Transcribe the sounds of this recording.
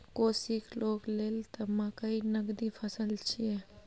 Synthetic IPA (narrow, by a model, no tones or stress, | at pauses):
kosikloklelt̪əmakəinəɡd̪ipʰəsəlt͡ʃʰijɛ